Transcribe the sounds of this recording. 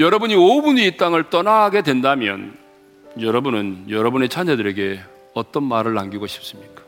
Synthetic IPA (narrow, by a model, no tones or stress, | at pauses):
jʌɾʌbuɲiobuniːt͈aŋɯɭt͈ʌnaɦaɡe̞dwe̞ndamjʌ̰n | jʌɾʌbunɯnjʌɾʌbune̞t͡ɕʰaɲedɯɾe̞ɡe̞ | ʌt͈ʌnmaɾɯɭːaŋɡiɡoɕʰi̥p̚s͈ɯmɲik͈ḁ